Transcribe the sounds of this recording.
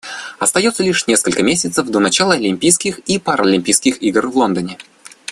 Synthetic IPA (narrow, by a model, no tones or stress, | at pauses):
ɐst̪ɐjo̞t̪səlʲiʂnʲe̞skəlʲkəmʲesʲɪt̪səvd̪onɐt͡ɕalˠəɐlʲɪmʲpʲijskʲɪxipaɾɐlʲɪmʲpʲijskʲɪxiɡrvlˠo̞nd̪ənʲɪ